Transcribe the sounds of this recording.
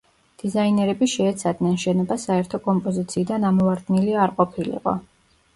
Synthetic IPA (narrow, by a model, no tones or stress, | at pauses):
d̪̥izainɛɾɛbiʃɛːt̪sʰad̪nɛnʃɛnɔbasaɛɾt̪ʰɔkʼɔmpʼɔzit̪sʰiːd̪anamɔvaɾd̪niliaɾqʼɔpʰilḭqʼɔ̰